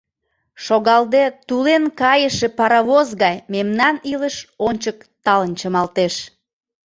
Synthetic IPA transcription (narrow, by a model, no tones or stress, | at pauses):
ʃoɣɑld̪et̪ulenkɑjəʃepɑɾɑβozɣɑjmemnɑniləʃonʲt͡ɕəkt̪ɑlənt͡ɕəmɑlt̪eʃ